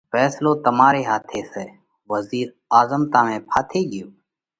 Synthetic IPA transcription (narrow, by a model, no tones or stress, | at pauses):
fɛːsloːt̪əmaːɾeːɦaːt̪ʰeːseː | ʋəziːɾ | aːzəmt̪ãːmẽːpʰaːt̪ʰeːɠɪjoː